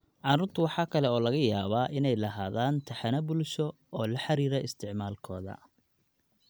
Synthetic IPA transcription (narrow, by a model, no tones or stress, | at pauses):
ʕɑɾʊːrt̪ʰʊwɑħɑːkʰɐlɛɔːlɐɣɐjaːβaːʔɪnɛjlɐɦaːðaːnt̪ʰɐħɑnɐbʊlʃɔ | ɔːlɐħɑɾiːɾɛɪst̪ʰɪʕmaːlkʰɔːðɐ̰